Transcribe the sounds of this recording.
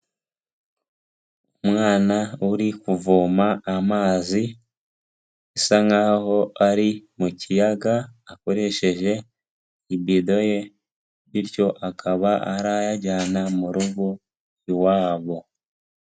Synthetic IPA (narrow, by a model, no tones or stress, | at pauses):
umŋaːnauɾikuvuːmaːmaːzi | isaŋaːho̞aɾimucijaɡaːko̞ɾe̞ʃe̞ʒe̞ | ibido̞je̞ | βiɾco̞ʔakʰaβaaɾajaɟaːnamuɾuɡu | waːβo̞